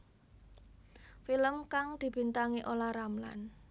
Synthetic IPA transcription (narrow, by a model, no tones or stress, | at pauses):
filəmkaŋd̪̥i̤b̥i̤nt̪aŋiʔolahɾamla̰n